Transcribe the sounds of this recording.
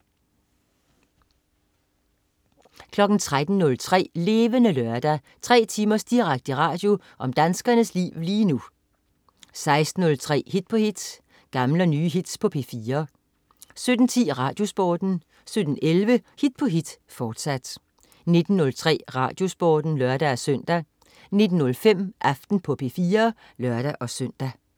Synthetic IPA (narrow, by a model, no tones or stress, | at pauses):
kʰlɒ̽ɡ̥n̩t͡sʰʁad̥n̩nɔ̽lt͡sʰʁɛ̰ːle̝ːʋənəlœɐd̥æ | t͡sʰʁɛ̰ːt͡sʰiːmɐsd̥iʁaɡ̥̚d̥əʁɑ̈ːd̥jo̝ | ʔɒ̽md̥ænsɡ̥ɐnəslḭːʊliːnu | sɑ̈ɪsd̥n̩ɔ̽lt͡sʰʁɛ̰ːhid̥̚pʰɒ̽hid̥ | ɡ̥ɑ̈mləɒnyːɦid̥spʰɒ̽pʰe̝fiːɐ | sød̥n̩t͡sʰḭːʁɑ̈ːd̥jo̝sb̥ɒ̰ːd̥n̩ | sød̥n̩elʋəhid̥̚pʰɒ̽ɦid̥ | fɒːd̥sæd̥ | ne̝d̥n̩ːɔ̽lt͡sʰʁɛ̰ːʁɑ̰̈d̥jo̝sb̥ɒːd̥n̩lœɐd̥ææsøn̰d̥æ | ne̝d̥n̩nɔ̽lfem̰ʔɑfd̥n̩pʰɒ̽pʰe̝fiːɐ | lɶɐd̥æʔɒ̽søn̰d̥æ